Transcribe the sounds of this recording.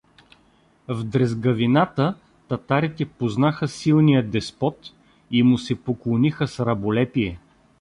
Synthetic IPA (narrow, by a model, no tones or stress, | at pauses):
vd̪ɾɛzɡɐvinat̪ə | t̪ɐt̪aɾit̪ɛpoznaxəsilˠnijəd̪ɛspɔt̪ | imʊsɛpoklˠonixəsɾɐbolɛpiɛ